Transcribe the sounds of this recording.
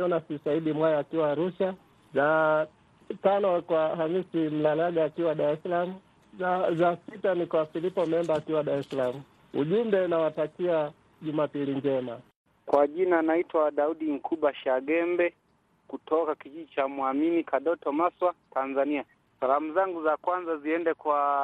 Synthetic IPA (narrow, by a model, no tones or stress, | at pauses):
ɔnasisaiɗimwajaːkiwaːɾuʃa | za | tanɔkwahamisim̩lalaɡaːkiwaɗaɾɛsalamu | zasitanikwafilipɔmɛmbaːkiwaɗaɾɛsalamu | ṵʄumbɛnawatakia | ʄumapiliɲd͡ʒɛma | kwaʄinanaitwawaɗauɗiŋ̩kʰuɓaʃaɡɛmbɛ | kutɔkakiʄiʄit͡ʃamuaminikaɗɔtɔmaswatanzania | salamuzaŋɡuzakwanzaziɛndɛkwa